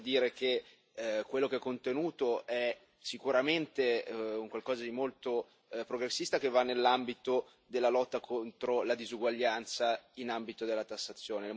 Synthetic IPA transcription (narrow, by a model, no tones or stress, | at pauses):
d̪iːɾek̟e | kwelːokeɛkːont̪enuːt̪oʔɛ | sikuɾament̪euŋkwalkɔːzad̪imolt̪o | pɾoɡɾesːist̪ak̟evːanːelːambit̪o | d̪elːalɔt̪ːakʰont̪ɾolad̪izuɡwaʎːant̪sainambit̪od̪elːat̪asːat̪sːjoːnel